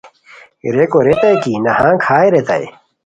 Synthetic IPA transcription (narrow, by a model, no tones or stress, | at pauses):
iɾekoɾet̪ɐjkiːnɐhãːkʰaːjɾet̪ɐ̰j